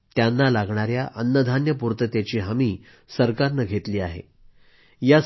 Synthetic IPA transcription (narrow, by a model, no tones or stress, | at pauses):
t̪janːalaɡʱɳaɾjaʔənːəd̪ʱanjəpuɾt̪ət̪jat͡ɕiːɦamiː | səɾkaɾnəɡʱet̪liːaɦḛ | ja